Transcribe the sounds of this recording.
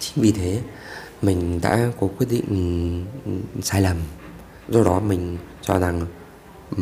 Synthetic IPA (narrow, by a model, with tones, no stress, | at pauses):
t͡ɕï˨˦ŋ̟vi˨˩t̪ʰe˨˦ | mï˨˩ŋ̟ɗa̰ː˧˥ko˨˦kwi˦˥t̚ɗḭ̈˧˨ŋ̟ | saː˧jləː˨˩m | zo˨˩ɗɔ˨˦mï˨˩ŋ̟ | t͡ɕɔ˧za˨˩ŋ